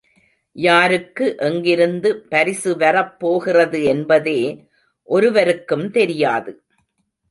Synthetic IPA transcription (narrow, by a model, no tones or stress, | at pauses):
jaːɾɯkːɯʔɛŋɡɪɾɯnd̪ɯpɐɾɪsɯʋɐrɐpːoːɣɪrɐðɯɛnbɐðeː | ʔɔɾɯʋɐɾɯkːɯmt̪ɛɾɪjaːðɯ